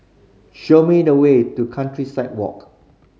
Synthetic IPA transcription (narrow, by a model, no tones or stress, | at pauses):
ʃomidəwetukʰãntɹisaɪt̚wɔ̰k